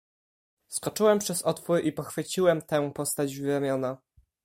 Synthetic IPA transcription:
skɔt͡ʂɘwɛmpʂɛzɔt̪fuɾipɔxfɘt͡ɕiwɛmt̪ɛ̃pɔst̪ad͡ʑvɾamʲjɔna

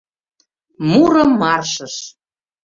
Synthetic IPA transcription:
muɾə̆mːɑrʃə̆ʃ

